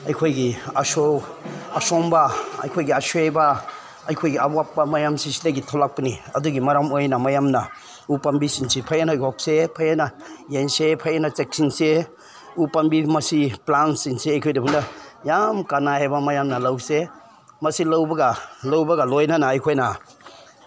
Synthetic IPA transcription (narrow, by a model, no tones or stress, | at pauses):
ɐjkʰojɡiasowasɔmbaɐ̰jkʰojɡiasweba | ɐjkʰojɡiawapːamajamsisileɡitʰɔlak̚paniɐduɡimaɾamojnamajamna | upambisinsipʰajanajkɔk̚sepʰajanajensepʰajanat͡ʃek̚sinse | upambimɐsiplansinseɐjkʰojdɐbuŋdajamkanahajbamajamnɐlawse | mɐsilawbɐɡalawbɐɡalojnanaːjkʰojna